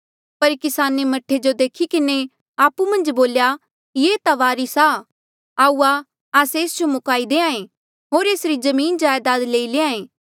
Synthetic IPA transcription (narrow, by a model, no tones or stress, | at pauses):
pɐɾkɪsaːnemɐʈʰːed͡ʒod̪eːkʰikɪne | aːpumɐ̃nd͡ʒboːlja | jeːt̪aʋaːɾisa | aːuːa | aːseːsd͡ʒomʊkaːid̪eːãːẽ | ɦoːɾeːsɾizɐmĩːnd͡ʒaːjd̪aːd̪leːileãːẽː